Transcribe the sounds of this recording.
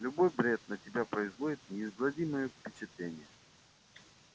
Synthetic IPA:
lʲʊbo̞jbɾʲe̞t̪̚nətʲɪbʲapɾəɪzvo̞dʲɪt̪̚nʲɪːzɡlˠɐdʲiməjəfpʲɪt͡ɕɪt̪lʲenʲɪjə

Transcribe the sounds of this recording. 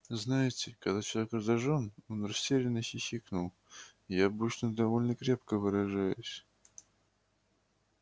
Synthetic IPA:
znajɪtʲɪkɐɡd̪at͡ɕɪlˠɐvʲekrəzɐʐono̞nrɐsʲtʲeɾʲɪnːəxʲɪxʲiknʊlˠ | jaɐbɨt͡ɕnəd̪ɐvo̞lʲnəkɾʲe̞p̚kəvɨɾɐʐajʊsʲ

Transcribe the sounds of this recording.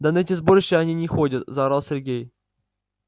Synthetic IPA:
d̪ɐnɛtʲɪzboɾɪɕːɪɐnʲinʲɪxodʲət̪zɐɾɑlˠsʲɪrɡʲej

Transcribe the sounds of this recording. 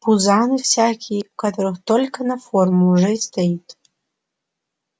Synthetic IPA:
puzanɨfsʲakʲʰijkat̪ʰoɾɨxt̪olʲkɐnɐformuːʐɐist̪ʰait̪ʼ

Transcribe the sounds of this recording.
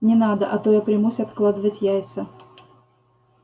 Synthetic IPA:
nʲɪnad̪əʔɐt̪ojɐpɾʲɪmusʲɐt̪klˠad̪əvətʲjajt̪sə

